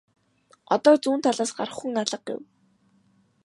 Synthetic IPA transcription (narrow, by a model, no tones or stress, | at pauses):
ɔt̪ɔːt͡suːnt̪ʰaɮaːsɢaɾə̆χːŭŋaɮə̆q̚ɡḛw